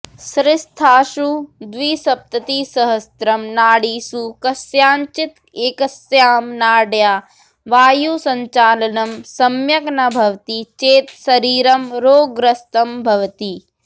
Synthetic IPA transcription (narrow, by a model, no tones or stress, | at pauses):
sɾɪst̪ʰaːʃud̪ʋiːsɐp̚t̪ɐt̪iːsɐɦɐst̪ɾɐmnaːɽiːsukɐsjaːɲt͡ʃit̪ | eːkɐsjaːmnaːɽjaː | ʋaːjuːsɐɲt͡ʃaːlɐnɐmsɐmjɐknɐbʱɐʋt̪it͡ʃeːt̪sɐɾiːɾɐmɾoːɡɾɐst̪ɐmbʱɐʋɐt̪i